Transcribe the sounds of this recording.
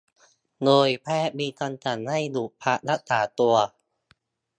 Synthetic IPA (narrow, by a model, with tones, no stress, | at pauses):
doː˧jpʰɛː˦˥˩ʔmiː˧kɔ˧nt͡ɕa˨˩nha˥˩jdu˨˩pʰa˦˥ʔla˦˥k̚t̪aː˩˦t̪u˧ɐ